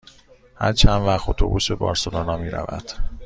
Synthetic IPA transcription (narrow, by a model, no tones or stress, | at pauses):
hæɾt͡ʃʰænvæɣot̪ʰo̰buːsbe̞bɒ̰ːɾsolonɒːmiːɾæ̰væ̰d̪̥